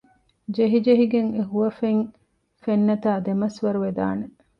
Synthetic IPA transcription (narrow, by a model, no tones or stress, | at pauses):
d͡ʒeɦid͡ʒeɦiɡeŋeɦuʋɐfeŋ | fenːɐt̪aːd̪emɐsʋɐɾuʋed̪a̰ːne